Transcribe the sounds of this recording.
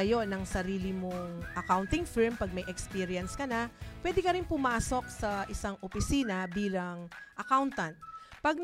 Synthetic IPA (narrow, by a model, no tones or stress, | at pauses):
ɐjo̞nɐŋsɐɾiːlɪmoŋʔɐkawnt̪ɪŋfɪɹmpɐɡ̚mɐjʔɛkspiːɾjɐnskɐnapwɛd̪ɛkɐɾɪnpʊmaːso̞k̚sɐʔɪsaŋʔopɪsiːnɐbiːlɐŋʔɐkawnt̪ɐn̚pɐɡ̪̚